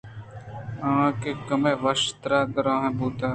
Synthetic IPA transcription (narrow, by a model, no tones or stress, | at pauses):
ãːkeːkəmẽːʋəʃt̪ɾaːd̪əɾãːɦẽːbuːt̪aː